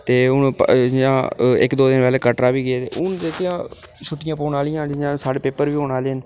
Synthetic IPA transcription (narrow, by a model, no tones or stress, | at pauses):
t̪eːʊnpjãːɪ̰kd̪oːd̪ɪnpɛːleːkəʈɾaːʋiːɡɪeːt̪eːʊnd̪eːkʰjãːʃʰʊʈːɪjãːpoːnaːlɪjãːjãːsaːɽeːpeːpəɾʋiːɦoːnaːleːən